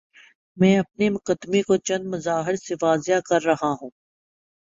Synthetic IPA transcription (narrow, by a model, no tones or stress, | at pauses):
mɛ̃ːɐp̚nimʊqəd̪ːmekot͡ʃɐ̃nd̪mɐzaːɦɪɾseʋaːzɪjakɐɾːɐɦaɦũː